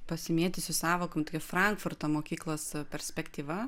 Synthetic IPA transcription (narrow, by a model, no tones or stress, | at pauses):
pɐsʲɪmʲiːt̪ʲɪsʲʊsɑːʋoːkomt̪okʲɛfɾɐŋkfʊrt̪omoːkʲiːklˠoːspʲɛɾʲsʲpʲɛkt̪ʲiːʋɐ